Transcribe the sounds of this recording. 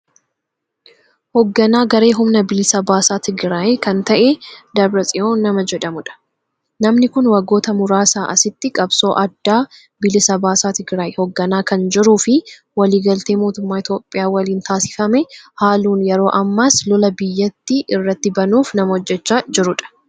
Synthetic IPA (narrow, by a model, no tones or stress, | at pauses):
hɔɡːɐnaːɡɐɾeːɦʊmnɐbɪlɪsɐbaːsaːt̪ɪɡɾaːjkɐnt̪ɐʔɛd̪ɐbɾɐsʼɪʔoːnɐmɐd͡ʒɛᶑɐmʊᶑɐ̥ | nɐmnɪkʊnwɐɡːo̞ːt̪ɐmʊɾaːsaːʔɐsɪt̪ːɪkʼɐbso̞ːʔɐd̪ːaː | bɪlɪsɐbaːsaːt̪ɪɡɾaːjhɔɡːɐnaːkɐnd͡ʒɪɾuːfɪ | wɐliːɡɐlt̪e̞ːmo̞ːt̪ʊmːaːɪt̪jo̞ːpʼːɪjaːwɐliːnt̪aːsɪ̥fɐmɛhaːluːnjɛɾo̞ːʔɐmːɐslɔlɐbɪjːɐt̪ːɪʔɪrːɐt̪ːɪbɐnuːfnɐmɐhɔd͡ʒːɛt͡ʃːaːd͡ʒɪɾʊᶑɐ̥